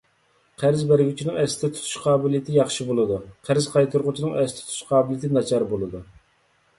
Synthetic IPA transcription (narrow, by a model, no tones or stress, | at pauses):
qʰæɾzbæɾɡʲyt͡ʃʰinɪŋɛsɪd̪ɛt̪ʰu̥t̪ʰu̥ʃqʰɑːbɪlijɪt̪ʰɪjɑχʃibolˠɨd̪uqʰæɾzqʰɑjt̪ʰuɾʁʊt͡ʃʰinɨŋɛsɪt̪ʰɛ̥t̪ʰt̪ʰu̥ʃqʰɑːbɪlijit̪ʰɪnɑt͡ʃʰɑɾbolˠɨd̪u